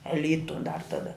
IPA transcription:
ɛ ˈlʲiːtʊ dɐr tɐˈdɐ

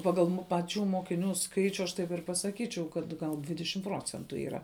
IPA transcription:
ˈpɑːɡɐlˠ mʊ pɐˈt͡ʃʲuː moːkʲɪˈnʲuː ˈskɐɪt͡ʃʲʊ ɐʃ tɐɪp ɪr pɐsɐˈkʲiːt͡ʃʲɛʊ kɐt ɡɐlˠ ˈdʲʋʲɪdʲɛʃʲɪm ˈproːt͡sʲɛntʊ iːˈrɐ

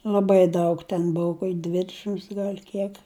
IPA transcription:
lˠɐˈbɐɪ ˈdɐʊk tʲɛn ˈbʊʊ koːkʲ ˈdʲʋʲɪdʲɛʃʲɪms ɡɐlʲ ˈkʲiɛk

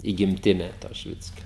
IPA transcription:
iː ɡʲɪmʲˈtʲɪnʲɛ toː ʃʲɪˈʋʲɪt͡sʲkʲoː

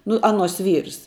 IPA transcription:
ˈnʊ ˈɑːnuɔs ˈʋʲiːrs

